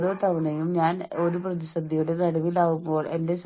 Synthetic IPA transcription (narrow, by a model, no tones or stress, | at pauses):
ðoːt̪ɐʋɐɳɐjumɲaːno̞ɾuprɐðiɕɐd̪ʱːijuɽe̞nɐɽɐʋilaːɣumbo̞ːɭe̞nde̞s